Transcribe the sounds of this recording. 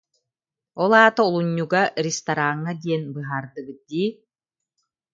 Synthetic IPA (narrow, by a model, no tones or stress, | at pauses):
ɔlˠaːt̪aulˠuɲːuɡaɾist̪aɾaŋːad̪iɛnbɯɦaːɾd̪ɯɡɯd̪iː